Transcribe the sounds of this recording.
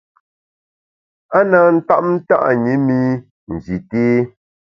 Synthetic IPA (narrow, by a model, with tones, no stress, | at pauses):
a˦naː˨˦n̩˦ta̰˦ʔm̩˦ta̰˦ʔɲi˨˦mi˦ | n̩˨zi˨teː˦